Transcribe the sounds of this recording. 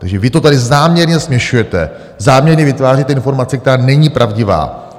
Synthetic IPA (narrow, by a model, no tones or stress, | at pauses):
t̪aɡʒɛvɪt̪o̞t̪adɪzaːmɲɛɾɲɛsmɲɛʃujɛt̪ɛ̰ | zaːmɲɛɾɲɛvɪt̪vaːrit̪ɛɪnfo̞ɾmat͡sɛk̚t̪ɛɾaːnɛɲipɾʔavɟɪva̰ː